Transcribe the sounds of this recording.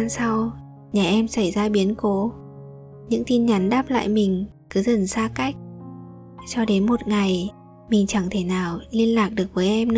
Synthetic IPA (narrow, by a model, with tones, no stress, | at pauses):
a˧nsa˧w | ɲaː˨˩ʔɛ˧msa˧˩jzaː˧ɓi˨˦ənko˨˦ | ɲɨ̰˧˥ŋt̪i˧nɲa˨˦nɗaː˦˥p̚la̰ː˧˨jmï˨˩ŋ̟kɨ˨˦zə˨˩nsaː˧ka˦˥jk̟̚ | t͡ɕɔ˧ɗe˨˦nmo˨˩t̚ŋa˨˩j | mï˨˩ŋ̟t͡ɕa˧˩ŋt̪ʰe˧˩naː˨˩wli˧ənlaː˨˩k̚ɗɨ˨˩ək̚vəː˨˦jʔɛ˧m˧˥˦